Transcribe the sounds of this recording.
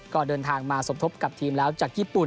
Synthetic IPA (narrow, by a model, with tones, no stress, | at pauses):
kɔː˨˩dɤː˧nt̪ʰaː˧ŋmaː˧so˨˩˦mt̪ʰo˦˥p̚ka˨˩p̚t̪ʰiː˧mlɛː˦˥wt͡ɕaː˨˩k̚jiː˥˩pu˨˩n